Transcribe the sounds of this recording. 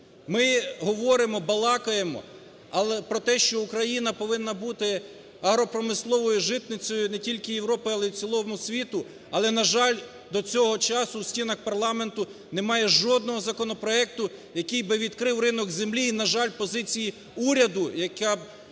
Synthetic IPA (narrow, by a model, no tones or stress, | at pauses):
mɪɦɔʋɔɾɪmɔbɐlˠɑkɐjemɔ̰ | ɐlˠɛpɾɔt̪ɛʃt͡ʃɔukɾɐjinɐpɔʋɪnːɐbut̪ɪ | ɐɦɾɔpɾɔmɪslˠɔʋɔjʊʒɪt̪nɪt͡sʲɔjʊnɛtʲilʲkɪjewɾɔpɪɑlˠɛut͡sʲilˠɔmʊsʲʋʲit̪ʊ | ɐlˠɛnɐʒɑlʲ | d̪ɔt͡sʲɔɦɔt͡ʃɑsʊwsʲtʲinɐxpɐrlˠɑment̪ʊ | nemɑjɛʒɔd̪̚nɔɦɔzɐkɔnɔpɾɔɛk̚t̪ʊjɐkɪjbɪʋʲid̪kɾɪwrɪnɔɡzemlʲiːnɐʒɑlʲpɔzɪt͡sʲiji | uɾʲɐd̪ʊjɐkɑ